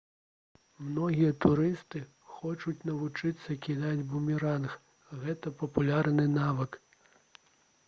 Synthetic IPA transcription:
mnɔɣʲijɐt̪uɾɨst̪ɨ | xɔt͡ʂut͡sʲnɐvut͡ʂɨt̪sːɐkʲid̪ad͡zʲbumʲiɾanx | ɣɛt̪ɐpɐpulʲarnɨnavɨk

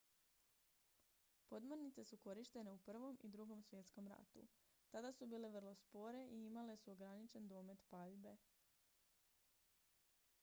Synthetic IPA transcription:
po̞d̪moɾnit̪se̞suko̞ɾiʃt̪e̞ne̞upr̩ʋo̞mid̪ɾuɡo̞msʋje̞t̪sko̞mɾa̰t̪ṵ | t̪ad̪asubiːle̞ʋr̩lˠo̞spo̞ɾe̞ʔiimale̞suo̞ɡɾanit͡ʃe̞nd̪o̞ːme̞t̪paʎbe̞

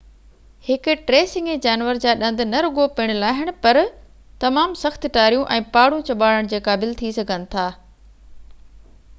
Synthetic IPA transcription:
hɪkʊʈɾeːsɪ̃ŋed͡ʑaːnʋəɾd͡ʑaːɗɐ̃nd̪ɪ̆nɐɾʊɡopɪɽ̃ʊlaːɦɪɽ̃̆pɐɾ | t̪ɐmaːmsɐxt̪ʈaːɾijũʔɛ̃ːpaːɽũt͡ɕɐɓaːɽəɽ̃d͡ʑeːkaːbɪlt̪ʰisɐɡʱənɪ̆t̪ʰaː

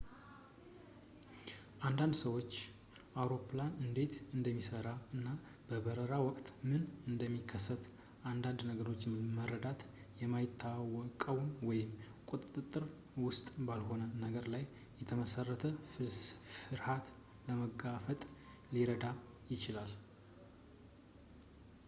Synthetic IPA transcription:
ʔand̪and̪səwo̞t͡ʃː | ʔawɾo̞pʰlanɨnd̪e̞t̪ɨnd̪əmːisəɾaɨnːa | b̥əbəɾəɾawɔkʼt̪mɨnɨnd̪əmːikʰːəsːət̪ | ʔand̪and̪nəɡəɾo̞t͡ʃːmərəd̪at̪ | jɛmːajɪt̪ʰːawɔkʼəwunwɔjɪm | kʼut̪ʼɨt̪ʼɨt̪ʼːɨɾ | wʊst̪ʼbalɦo̞nənəɡəɾlajː | ɛt̪ʰəməsərːət̪ʰə | ɨɾhat̪ | ləməɡafət̪ʼ | liɾəd̪a | jɪt͡ʃɪlal

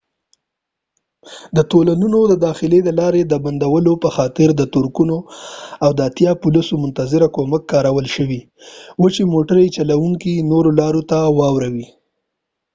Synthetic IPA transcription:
d̪ət̪olanunod̪əd̪ɑxɪled̪əlɑɾed̪əband̪awəlopəxɑt̪ɪɾd̪ət̪ʊɾkunoawd̪əat̪jɑpʊlisomʊnt̪azɪɾakoməkːɑɾawəlʃəwi | wət͡ʃemoʈaɾet͡ʃalawuŋkinoɾolɑɾot̪awɑwɾawi

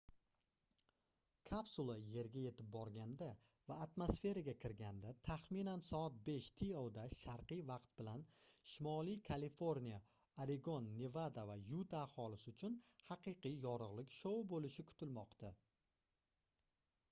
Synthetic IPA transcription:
kʰapsulˠaje̞ɾɡʲaje̞t̪ʰɪp̚bɒɾɡʲand̪a | vaːt̪mosfe̞ɾaɡʲakʰʲɪɾɡʲand̪at̪ʰaχminansɒat̪̚be̞ʃt̪ʰiowd̪aʃaɾqɨjvɑqt̪̚bɪlanʃɪmɒlijkʰalifo̞ɾnija | aɾeɡo̞nːevad̪avajut̪ʰaːhɒlˠɪsɪʊt͡ʃʰʊnhɑqɨqɨjjɒɾɨʁlˠɪkʲʃowbolɪʃɪkʰʊ̥t̪ɪlmɒqt̪ʰa

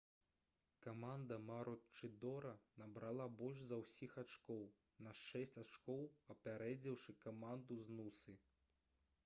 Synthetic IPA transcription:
kamand̪ɐmaɾɔt͡ʂɨd̪ɔɾɐnɐbɾalˠabɔlʲʂzɐwsʲixat͡ʂkɔw | nɐʂɛsʲt͡sʲat͡ʂkɔwɐpʲaɾɛd͡zʲiwʂɨkamand̪uznusɨ

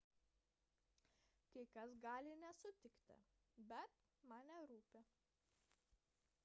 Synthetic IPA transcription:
kʲɐkɐs̬ɡɑːlʲɪnʲɛsʊt̪ʲɪkt̪ʲɪ̰bʲɛt̪̚ | mɑːnʲɛɾuːpʲe

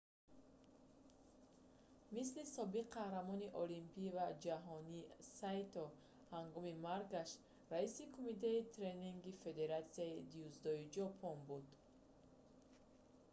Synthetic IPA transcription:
mis̬lisɔbiqahɾamɔniʔɔlimpivad͡ʒaɦɔnisajt̪ɔ | haŋɡɔmimaɾɡaʃ | ɾaisikʰumit̪ʰeit̪ʰɾeniŋɡife̞d̪e̞ɾat̪siaid̪iuzd̪ɔid͡ʒɔpʰɔnbud̪

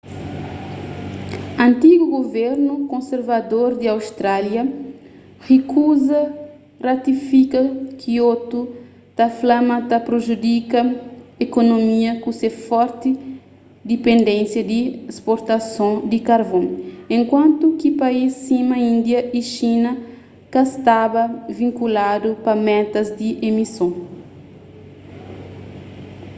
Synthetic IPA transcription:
ɐ̃nt̪iɡuɡovɛɾnukõnseɾvad̪oɾd̪iawst̪ɾaljɐ | hekuzɐ | rat̪ifikɐkʰiot̪u | t̪aflamat̪apɾoʒud̪ikɐekonomiɐkũsefɔɾt̪i | d̪ipẽnd̪ẽnsjɐd̪iespoɾt̪ɐsõd̪ikaɾbõnẽŋkwãnt̪ukipɐisːimɐĩnd̪jɐʔiʃinɐ | kɐst̪abɐvĩŋkulad̪upɐmɛt̪ɐzd̪iʔemisõ

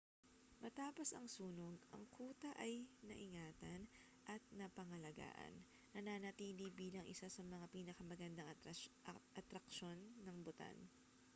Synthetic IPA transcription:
mɐt̪aːpo̞sɐŋsuːnoɡ̚ɐ̰ŋkʰuːt̪ɐʔɐjnɐ̰ʔɪŋaːt̪ɐn | ʔɐt̪̚nɐpɐŋɐlɐɡa̰ːʔɐ̰nː | ɐnaːnɐt̪iːlibiːlɐŋʔɪ̰sasɐmɐŋapiːnɐkɐmɐɡɐnd̪ɐ | ʔɐt̪ɾɐkʃo̞nːɐŋbʊt̪a̰n

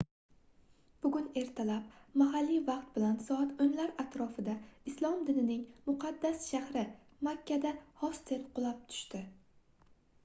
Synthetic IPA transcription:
b̥ʊɡʲʊne̞ɾt̪ʰalap̚maɦalːivɑq̚t̪̚bɪlansɒat̪oŋlaɾat̪ɾɒfɪd̪aɪslˠɒmd̪ɪnɪnɪŋmʊqʰɑd̪ːasʃahɾɪ | makʲːad̪ahɒst̪eɾqʰʊlˠap̚t̪ʰʊ̥ʃt̪ɪ

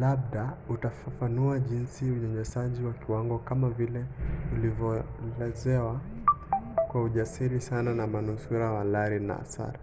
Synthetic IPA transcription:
lab̚ɗautafafanuaʄinsiuɲɔɲɛsaʄiwakiwaŋɡɔkamavilɛulivjɔlɛzɛwa | kwauʄasiɾisananamanusuɾawalaɾina̰sa̰ɾ

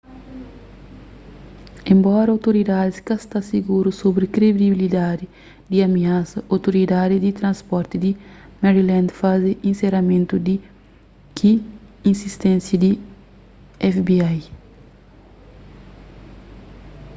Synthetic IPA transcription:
ẽmbɔɾɐawt̪oɾid̪ad̪iskɐst̪asiɡuɾusobɾikɾebd̪ibilid̪ad̪i | d̪iɐmiasɐʔowt̪oɾid̪ad̪id̪it̪ɾɐ̃nspɔɾt̪id̪imɛɾilãnd̪faziʔĩnseɾɐmẽnt̪ud̪i | kʰi | ĩnsist̪ẽnsjɐd̪i | ɛfbiaj

